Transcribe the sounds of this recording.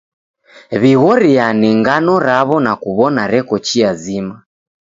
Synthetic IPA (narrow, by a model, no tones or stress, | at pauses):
βiɣɔɾianɛŋɡanɔɾaβɔnakuβɔnaɾɛkɔt͡ʃiazima